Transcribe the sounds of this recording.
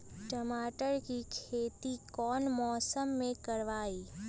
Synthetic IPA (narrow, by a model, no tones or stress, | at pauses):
ʈəmaːʈəɾkikʰeːt̪ikɔːnmɔːsəmːẽkɐɾʋaːiː